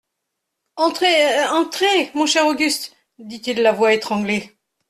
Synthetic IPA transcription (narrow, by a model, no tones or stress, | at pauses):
ɑ̃t̪χeɑ̃t̪χemɔ̃ʃɛʁoɡʲyst̪ | d̪it̪ilːavwaet̪χɑ̃ɡle